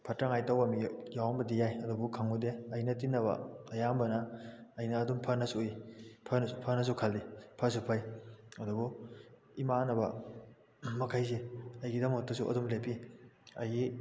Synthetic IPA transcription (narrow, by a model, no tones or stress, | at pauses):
pʰɐtɾaŋajtawbamijawambɐdijajɐdubukʰaŋudeɐjnɐtinːɐβɐ̰ɐjambɐnɐːjnɐːdumpʰɐnɐsuipʰɐnpʰɐnɐs̬ukʰaldipʰɐs̬upʰajɐdubu | imanɐbɐ̰ | mɐkʰajs̬eɐjɡidamotːɐsuʔɐ̰dumlepʰiɐjɡi